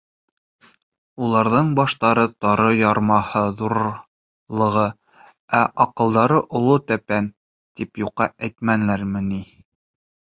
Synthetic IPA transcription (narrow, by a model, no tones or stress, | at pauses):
ulˠɑɾðɤɴbɑʃt̪ɑɾɤt̪ɑɾɤjɑɾmɑhɤðuɾ | lˠɤ̆ʁɤ | æʔɑqɤ̆lˠd̪ɑɾɤʔŏlˠot̪æpæn | t̪ipjuqːɑʔæjt̪mænlæɾmɘ̆ni